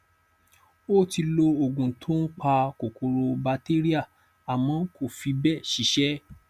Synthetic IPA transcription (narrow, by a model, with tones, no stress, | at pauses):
o˦˨ti˧lo˧o˨ɡũ˨tʰõ˦k͡pa˧ko˨ko˧ɾo˧ba˧te˦ɾi˦a˦˨ | a˨mɔ̃˨˦ko˦˨fi˨˦bɛ˦˨ʃi˨˦ʃɛ˦